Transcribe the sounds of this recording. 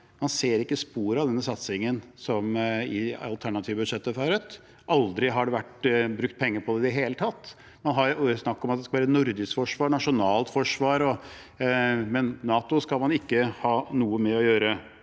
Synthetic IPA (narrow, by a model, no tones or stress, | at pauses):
mɑnseːɾɪkːəspuːɾɑʋd̪ɛnːəsɑt̪sɪŋənsɔmɪɑ̰lt̪ʰæɳɑt̪ʰiːʋəbʉd̪ʂɛt̪ːəfɑɾʉt̪ | ʔɑld̪ɾɪɦɑɖɛʋæʈːbɾʉk̚t̪̚pʰɛŋːəɾpʰɔd̪ɛɪd̪ɛɦeːlət̪ʰɑt̪ː | mɑnɦɑɾsnɑkːɔmɑt̪̚d̪ɛskɑʋæːɾənʊɾd̪ɪskfɔʂʋɑːɳɑʂʊnɑːlt̪fɔʂʋɑːɾɔ | mɛnːɑːt̪ʊskɑlmɑnɪkːəhɑːnuːəmɛɔjøːɾə